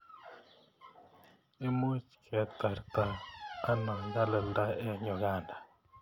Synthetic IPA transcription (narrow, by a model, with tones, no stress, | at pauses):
e˦mu˦t͡ʃkʰɛ˨˦t̪a˨ɾt̪a˦a˦nɔ˨ŋɡa˦lə˨ld̪a˦ɛ˦ɲɔ˨ɣa˦˨nda˨